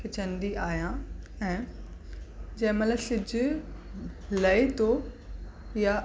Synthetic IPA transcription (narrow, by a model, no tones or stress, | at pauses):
et͡ɕɐ̃nd̪iaːijãɛ̃ː | d͡ʑɐ̃ɦɪ̃mɐt̪ləbsɪd͡ʑʊ | lɐet̪o | ja